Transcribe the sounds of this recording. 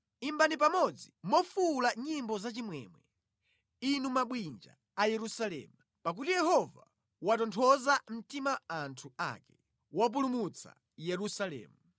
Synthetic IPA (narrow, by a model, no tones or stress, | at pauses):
imbanip̬amɔd͡zimɔfulaɲimbɔzat͡ʃimwɛmwɛ | inumaɓwind͡ʒa̰ | ajɛɾusalɛ̰ːmu | pak̬utijɛhɔva̰ | watɔntʰɔzam̩timaantʰua̰kɛ̥ | wap̬ulumut͡sʰa̰ | jɛɾusalɛ̰ːmu